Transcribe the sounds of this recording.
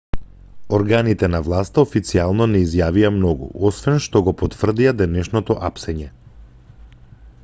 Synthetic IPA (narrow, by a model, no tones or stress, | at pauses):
ɔɾɡanit̪ɛnavlˠast̪aofit̪sialˠnɔnɛizjaviamnɔɡṵʔɔsvɛnʃt̪ɔɡɔpɔt̪vr̩d̪iad̪ɛnɛʃnɔt̪ɔʔapsɛɲɛ